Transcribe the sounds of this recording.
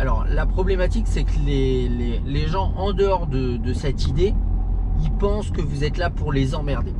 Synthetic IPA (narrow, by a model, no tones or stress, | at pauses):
alɔʁlapχɔblɛmat̪iksɛklele | leʒɑ̃ʔɑ̃d̪əɔʁd̪ə | d̪əsɛt̪id̪e | ilpɑ̃skəvuzɛt̪lapuʁlezɑ̃mɛʁd̪e